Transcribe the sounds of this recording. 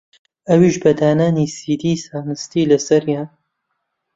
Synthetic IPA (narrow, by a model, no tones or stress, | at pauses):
ʔɐwiːʃbɐd̪aːnaːnisiːd̪iːsaːnɨst̪iːlɐsɐɾjaːn